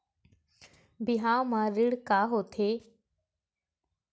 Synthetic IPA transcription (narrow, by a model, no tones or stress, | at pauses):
bɪɦãːmãːɾɪɽkaːɦoːt̪ʰeː